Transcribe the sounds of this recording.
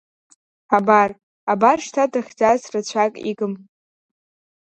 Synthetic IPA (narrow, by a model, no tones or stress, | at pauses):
abar | abarʂtʰatʰaχʲd͡zazrat͡ɕʷʰakʼḭɡɨm